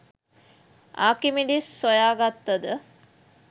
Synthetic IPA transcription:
a̰ːkimiɖisːojaːɡat̪ːɐd̪ə

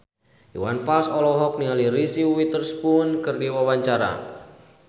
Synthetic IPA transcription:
jṵwanfalsɔlɔɦɔk̚niŋaliɾisiwit̪ərspunkɨrdiwawaɲt͡ʃaɾa̰

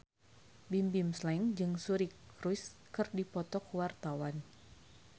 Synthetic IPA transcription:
bimbimslaŋd͡ʒɨŋsuɾikɾujskɨrdipɔt̪ɔkwart̪awan

